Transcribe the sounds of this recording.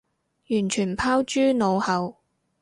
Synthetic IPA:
jyː˨˩nt͡ʃʰyː˨˩npʰaː˥wt͡ʃyː˥no˨˧whɐ˨˧w

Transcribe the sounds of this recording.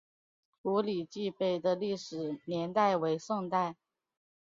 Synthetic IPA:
ku˧˥li˨˩t͡ɕi˥˧pe˥˩ɪd̪ə˩li˥˩ʂɻ̩˨˩njɛ˧˥nt̪a˥˩ɪwe˧˥ɪʂɤ˥˧ŋt̪a˥˩ɪ

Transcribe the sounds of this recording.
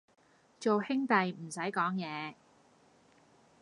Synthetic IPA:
t͡ʃo˨whɪ˥ŋt̪ɐ˨jm̩˨˩sɐ˨˥jkɔː˨˥ŋjɛː˨˧

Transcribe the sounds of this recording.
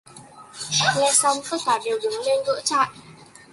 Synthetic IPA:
ŋɛ˧sa˧wŋ͡mfə˦˥t̚t̪ʰwaː˧˩ɗe˨˩wɗɨ˨˦ŋ͡mle˧nɣɨ̰˧˥t͡ɕa̰ː˧˨jʔ

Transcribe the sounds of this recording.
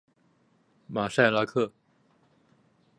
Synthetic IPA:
ma˨˩sa˥˩ɪla˥kʰɤ˥˩

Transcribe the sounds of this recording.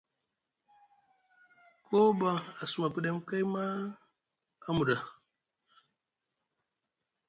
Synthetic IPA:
kʰo˦ba˦a˨su˨ma˨pə˦ɗe˦m˦ka˦jma˦ | a˦mu˨ɗa˨

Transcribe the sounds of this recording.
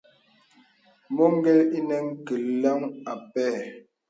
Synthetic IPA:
mɔ˦ŋ̩˦ɡɛ˦li˦nɛ˨ŋ̩˦kə˨lla˦ŋa˨pɛː˦˨

